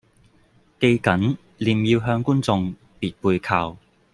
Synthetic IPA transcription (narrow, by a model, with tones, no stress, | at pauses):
ke˧jkɐ˨˥n | liː˨˧mjiː˧wɦœː˧ŋkuː˥nt͡sʊ˨˧ŋ | piː˨t̚puː˧jkʰaː˧w